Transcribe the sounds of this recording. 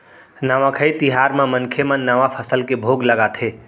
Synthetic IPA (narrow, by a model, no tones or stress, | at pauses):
nəʋãkʰəit̪iɦaːɾmãmənkʰemə̃nːəʋapʰəsəlkebʱoɡləɡat̪ʰe